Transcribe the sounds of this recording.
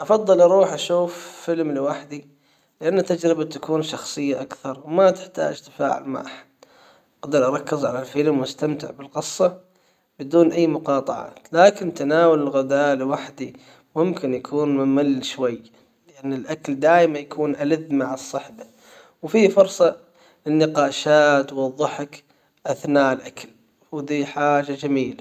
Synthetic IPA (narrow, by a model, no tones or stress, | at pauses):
ʔɑfɑðˤːɨlʔɑɾˤuːħʔaʃuːfːɪlmlɪwaħd̪i | lɪʔanːat̪ːad͡ʒɾɪbat̪akuːnʃɑxsˤɨjːaʔakθɑɾˤwmat̪ɪ̥ħt̪a̰ːd͡ʒt̪ḁfa̰ːʕɪ̰lma̰ʔaħḁd̪̥̚ | ʔqɑd̪ɨɾʔɑɾˤɑkːɪzʕalalfɪlmwast̪amt̪ɪʕbɪlqɨsˤːɑ | bɪd̪uːnʔajːmʊqɑːt̪ˤɑʕɑ̰ːt̪laːkɪnt̪anaːwalɪlɣʊd̪aːlɪwaħd̪i | mʊmkɪnjakʰuːnmɪmalːʃwajː | lɪʔanːɪlʔakald̪aːjmajakʰuːnʔalɪðmaʕasˤːɑħba | wfiːfʊɾsˤɑ | lɪnːɪqɑːʃaːt̪wɑðˤːɨħak | ʔaθnaːʔɪlʔakal | wd̪iːħaːʒad͡ʒamiːla